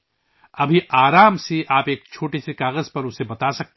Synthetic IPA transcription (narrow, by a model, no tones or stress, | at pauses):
ɐbʱiʔaːɾaːmseʔaːpeːk̚t͡ʃʰoːʈesekaːɣəzpɐɾʊsebɐt̪asɐk̚t̪